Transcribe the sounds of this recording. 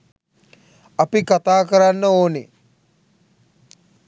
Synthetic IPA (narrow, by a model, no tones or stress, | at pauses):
apikat̪aːkəɾanːəoːne